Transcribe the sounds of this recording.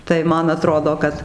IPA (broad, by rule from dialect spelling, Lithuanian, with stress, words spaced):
tɐɪ ˈmɐn ɐˈtroːdoː ˈkɐt